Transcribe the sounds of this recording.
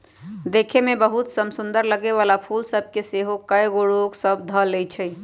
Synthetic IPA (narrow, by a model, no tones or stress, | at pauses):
d̪ekʰemebəɦut̪səmsund̪əɾləɡeʋalapʰulsəb̚ʱkeseɦokəjɡoɽoksəb̚d̪ʱəlɛt͡ʃʰɛj